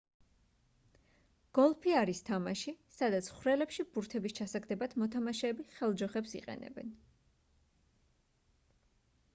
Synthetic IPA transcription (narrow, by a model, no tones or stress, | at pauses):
ɡ̥ɔlˠpʰiaɾist̪ʰamaʃisad̪at̪sʰχwɾɛlɛpʃib̥uɾt̪ʰɛbist͡ʃʰasaɡd̪ɛbat̪ʰmɔt̪ʰamaʃɛːbiχɛlˠd͡ʒɔχɛpsḭqʼɛ̰nɛ̰bɛ̰n